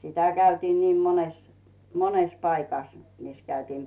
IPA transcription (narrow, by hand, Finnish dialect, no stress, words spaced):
sitæ kæytiːn niːm mones mones pɑikɑs mis kæytiːm